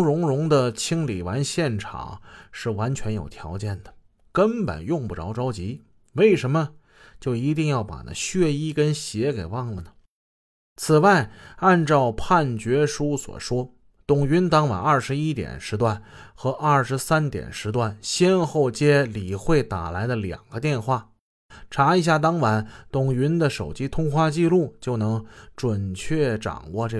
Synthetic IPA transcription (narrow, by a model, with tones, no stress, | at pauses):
ŋɻʊ˧˥ŋɻʊ˧˥ŋd̪ə˨t͡ɕʰi˥ŋli˨˩wa˧˥nɕjɛ˥˩nʈ͡ʂʰɑ̰˨˩˦ŋʂɻ̩˥˩wa˧˥nt͡ɕʰɥɛ˧˥njo̰˨˩ʊt̪ʰjɑ̰˧˥ʊt͡ɕjɛ˥˩nd̪̥ə˩ | kə˥npə̰˨˩njʊ˥˧ŋpu˥˩ʈ͡ʂɑ˧˥ʊʈ͡ʂɑ˥ʊt͡ɕi˧˥ | we˥˩ɪʂə˧˥mə˧ | t͡ɕjo˥˩ʊi˧˥t̪i˥˧ŋjɑ˥˩ʊpa̰˨˩na̰˧˥ɕɥɛ˥˧i˥˩kə˥nɕjɛ˧˥ke˨˩ɪwɑ˥˩ŋlə˨˩nə˩ | t͡sʰɹ̩˨˩wa˥˧ɪa˥˧nʈ͡ʂɑ˥˧ʊpʰa˥˩nt͡ɕɥɛ˧˥ʂu˥swɔ̰˨˩ʂwɔ˥ | t̪ʊ˨˩ŋy˧˥nt̪ɑ˥ŋwa̰˨˥nɐ˞˥˩ʂɻ̩˧˥i˥t̪jɛ̰˨˩nʂɻ̩˧˥t̪wa˥˩nxɤ˧˥ʔɐ˞˥˩ʂɻ̩˧˥sa˥nt̪jɛ̰˨˩nʂɻ̩˧˥t̪wa˥˩nɕjɛ˥nxo˥˩ʊt͡ɕjɛ˥li˨˩xwe˥˩ɪt̪a̰˨˩la˧˥ɪd̪ə˧ljɑ̰˨˩ŋɡə˦t̪jɛ˥˧nxwa˥˩ | ʈ͡ʂʰa˧˥i˧˥ɕ̬ja˥˩t̪̬ɑ˥ŋwa˧˥nt̪ʊ˨˩ŋy˧˥nd̪ə˨ʂo˨˩ʊt͡ɕi˥t̪ʰʊ˥ŋxwa˥˧t͡ɕi˥˧lu˥˩t͡ɕjo˥˩ʊnɤ˧˥ŋʈ͡ʂwə˨˩nt͡ɕʰɥɛ˥˩ʈ͡ʂɑ̰˨˩ŋwɔ˥˧ʈ͡ʂɤ˥˩